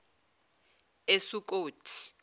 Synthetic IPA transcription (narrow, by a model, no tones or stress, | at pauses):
esuk̬ʼoːtʰi̥